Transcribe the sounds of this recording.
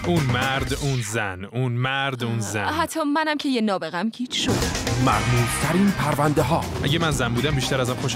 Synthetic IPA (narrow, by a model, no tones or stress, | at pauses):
unmæɾd̪uːnzænunmæɾd̪unzæɦæt̪ʰːɒːmænæmcʰe̞jenɒːbe̞ɣæmkʰiːt͡ʃʰʃod̪mæ̰ɾmuːz̥t̪ʰæɾiːnpʰæɾvænd̪eɦɒːʔæ̰ɟemænzænbuːd̪æmbiːʃt̪æɾæzæmxoʃ